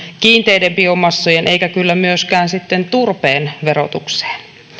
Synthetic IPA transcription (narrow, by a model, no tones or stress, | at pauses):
kiːnt̪ejdempiomːɑsːujenʔe̞ikækylːæmyøskæːnsit̪ːent̪urpeːnʋeɾo̰t̪ukse̥ːn